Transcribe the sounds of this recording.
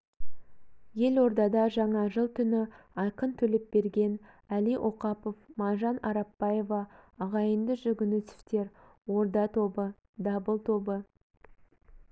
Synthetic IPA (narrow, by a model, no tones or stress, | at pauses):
je̞lwo̞ɾd̪ɑd̪ɑʒɑɴɑʒəlˠt̪ʰʏnɪ | ɑjqənt̪ʰɵlɪp̚be̞ɾɡʲe̞n | æliʔo̞qɑpo̞fmɑnʒɑnɑɾɑpːɑje̞vɑːʁɑjənd̪əʒʏɡʲɪnusɪ̥ft̪e̞ɾ | wo̞ɾd̪ɑt̪ʰo̞bə | d̪ɑbəlˠt̪ʰo̞bə